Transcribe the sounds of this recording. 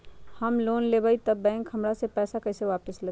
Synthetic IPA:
həmloːnleːbaːit̪ɐbːɛ̃ːŋkhɦɐmɽasepɛːsakɐɪseʋaːpəslɐ

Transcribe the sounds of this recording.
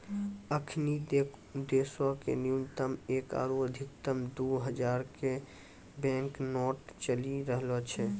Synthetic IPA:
əkʰnie | d̪esakḛnijunt̪əmeka̰ːɾuəd̪ʱɪkt̪əmd̪uɦəd͡ʒaɾke | bɛ̃ŋknɔʈt͡ʃəliɾəɦlɔt͡ʃʰɛ

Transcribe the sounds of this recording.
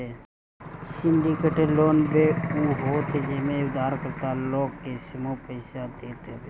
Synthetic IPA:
e | sɪɳɖikeʈəɾloːnbeuɦoːt̪ed͡ʒemẽʊd̪ʱaːɾkəɾt̪aloːɡkesɪmopəɪʃad̪eːt̪ebe

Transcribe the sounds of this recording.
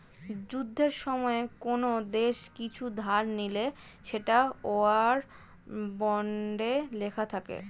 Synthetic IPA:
d͡ʑud̪ʱːeɾʃɔmɔekonod̪eʃkit͡ɕʰud̪ʱaɾnileʃeʈaoaɾ | bɔɳɖelekʰat̪ʰakḛ

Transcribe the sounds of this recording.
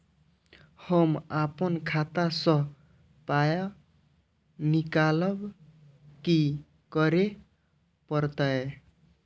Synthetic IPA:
hʌmapʌnkʰat̪asʌ | pajɔ | nikalʌb | ki | kʌɾe | pʌɾt̪ʌe

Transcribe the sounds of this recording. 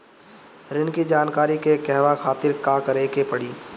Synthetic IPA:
ɾɪnkid͡ʒaːnkaːɾikekɛɦʋakʰaːt̪ɪɾkakəɾeːkepɐɽiː

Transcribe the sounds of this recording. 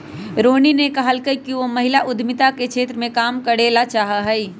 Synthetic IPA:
ɾoːninekɐɦəlkəikiʋomɐɦɪlaʔʊd̪ʱmɪt̪akekʃʰeːt̪ɾəmẽkaːmkəɽeːlat͡ʃaːɦaɦɛi

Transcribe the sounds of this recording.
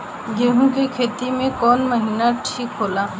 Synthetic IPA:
jeɦũkekʰeːt̪imẽkɔːnmɐɦiːnaʈʰiːkɦoːlaː

